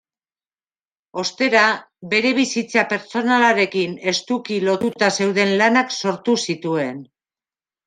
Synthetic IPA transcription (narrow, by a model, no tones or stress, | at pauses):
o̞st̪e̞ɾa | be̞ɾe̞β̞isit͡sape̞ɾt͡so̞nalaɾe̞kine̞st̪ukilo̞t̪ut̪ase̞wðe̞nlanakso̞ɾt̪usit̪ue̞n